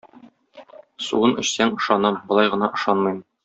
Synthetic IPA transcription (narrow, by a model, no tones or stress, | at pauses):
sṵɤnʔɵ̆ɕsæŋŏʃɑnɤmbŏlˠɑjʁɤ̆nɑʔŏʃɑnmɤjm